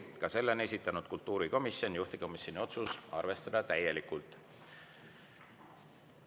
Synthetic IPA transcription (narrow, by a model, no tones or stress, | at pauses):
kɑse̞lːene̞s̬ʲit̪ːˑɑnud̪̥kult̪ːˑuːɾiko̞misjo̞njuht̪iko̞misjo̞nio̞t̪susɑ̰rve̞st̪ɑd̪̥ɑt̪æje̞likult̪ˑ